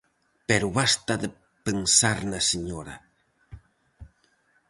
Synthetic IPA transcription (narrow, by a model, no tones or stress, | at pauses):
peɾʊβast̪aðe | pensaɾnaseɲoɾa̰